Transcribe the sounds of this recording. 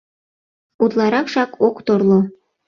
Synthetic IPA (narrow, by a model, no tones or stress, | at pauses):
ut̪lɑɾɑkʃɑkokt̪oɾlo